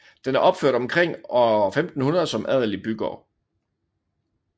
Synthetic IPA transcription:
d̥enæɐʔɒ̽b̥føɐ̰d̥ɒ̽mkʰʁeŋ̰ɒfemd̥n̩hunɐðˠsɒ̽mʔæð̞̰ˠɐlib̥yɡ̥ɒ̰

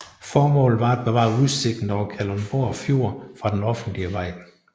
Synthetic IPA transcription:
fɒːmɔ̰̽ːlð̩ˠʋɑ̈æd̥̚b̥eʋɑ̈ːuðˠse̝ɡ̥n̩ɒʊkʰælɒmb̥o̝ɐ̰fjo̝ɐ̰fʁɑ̈d̥enɒ̽fn̩d̥liəʋɑ̈ɪ̰

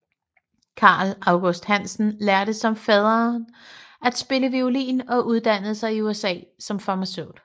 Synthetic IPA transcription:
kʰɑ̈ːlɑ̈ʊɡ̥osd̥hæn̰sn̩læɐɾ̥əsɒ̽mfɛð̞ˠɐnæd̥sb̥e̝ləʋiolḭːnɒ̽ʔuð̞ˠd̥æn̰əð̩ˠsɑ̈ɪiuesɛ̰ːsɒ̽mfɑ̈ːmæsøʊ̰d̥

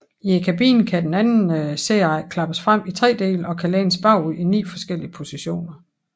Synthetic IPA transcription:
iekʰæb̥ḭːn̩kʰæd̥enænn̩seɑkʰlɑ̈b̥əsfʁam̰it͡sʰʁɛ̰ːd̥e̝̰ːləɒ̽kʰæleːnəsb̥ɑ̈ʊ̰uinḭːfɒ̽sɡ̥el̰iəpʰo̝siɕo̝̰ːnɐ

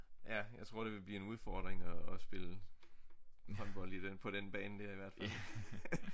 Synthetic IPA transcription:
jæjɑ̈ɪt͡sʰʁo̝ɐ̰ɾ̥e̝ʋe̝b̥lḭːe̝nuð̞ˠfɒːd̥ʁeŋɒːsb̥e̝lə | hɔd̥b̥ɒ̽l̰id̥enpʰɒ̽ɾ̥enb̥ɛ̰ːnd̥æɐiʋæɐd̥fæl̰

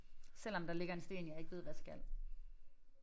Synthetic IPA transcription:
sel̰ɒ̽md̥ɑ̈le̝ɡ̥ɐe̝nsd̥e̝̰ːnjɑ̈ɪe̝ɡ̥ʋe̝̰ʋæsɡ̥æl̰

